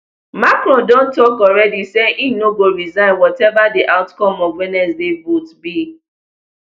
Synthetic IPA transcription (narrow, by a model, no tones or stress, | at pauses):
makɾɔ̃dõntɔkɔɾɛdiseʔinoɡoɾizãɪ̃nwɔtɛvadiʔaʊtkɔmɔvwɛnɛsdevotbi